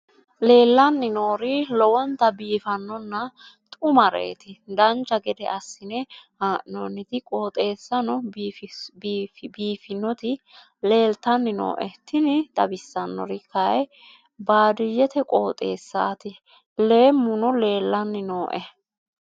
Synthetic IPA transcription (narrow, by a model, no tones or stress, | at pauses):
le̞ːlːɐnːɪno̞ːɾɪlɔwɔnt̪ɐbiːfɐnːɔnːɐt̪ʼʊmɐɾɛ̰ːt̪ɪd̪ɐnt͡ʃːɐɡɛd̪ɛ̰ɐsːɪnɛhaʔnɔnːɪt̪ɪkʼo̞ːt̪ʼe̞ːsːɐnɔf | biːfɪnːɔt̪ɪ | le̞ːlt̪ɐnːɪno̰ːʔɛt̪ʰɪnɪd̪ɐbɪsːɐnːɔ̰ɾɪkʰɐj | baːd̪ɪjɛt̪ɛkʼoːt̪ʼḛːsːaːt̪ɪ | le̞ːmːʊnɔle̞ːlːɐnːɪnoːʔɛ